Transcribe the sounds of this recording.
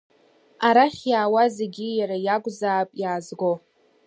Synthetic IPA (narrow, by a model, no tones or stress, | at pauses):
aɾaχʲjaːwazeɡʲijaɾajakʷʼzaːpʼjaːzɡo̞